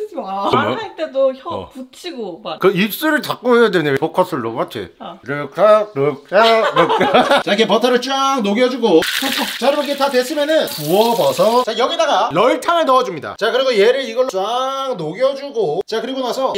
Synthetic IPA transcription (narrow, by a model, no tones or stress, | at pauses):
kɯmʌ̰at͈edoçʌ̰put͡ɕʰiɡokɯips͈uɾɯɭtak̚k͈oɦejadwenepokʰʌs͈ɯɭːo̰batʰḛɾɯkʰaɾɯk̚aɾɯt͡ɕaikʰepʌtʰaɾɯɭt͡ɕ͈aŋnoɡjʌd͡ʑuɡokʰokt͡ɕaɾɯɾʌkʰetadwes͈ɯmjʌnɯnpuʌbʌsʰʌt͡ɕajʌɡidaɡalʌiɭtʰaŋeɭnʌʌd͡ʑumɲida̰t͡ɕakɯɾiɡoje̞ɾɯɭiɡʌɭːaŋnoɡjʌd͡ʑuɡot͡ɕakɯɾiɡonasʰʌ